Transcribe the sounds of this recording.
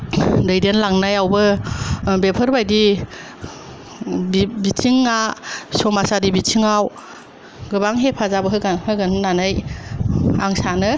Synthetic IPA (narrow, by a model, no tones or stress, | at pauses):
dɯjdenlaŋnajawbɯ | bepʰəɾbajdi | bbitʰiŋːasɔmasadibitʰiŋaw | ɡɯbaŋɦepʰazabɯɦɯɡahɯɡɯnnanaj | aŋsanɯ